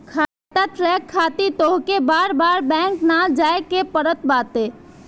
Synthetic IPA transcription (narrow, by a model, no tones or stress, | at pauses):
kʰaː | t̪aʈɾɛːkʰːaːt̪it̪oːɦkebaːɾbaːɾbɛ̃ːŋknad͡ʒaːekepəɾət̪̚baːt̪eː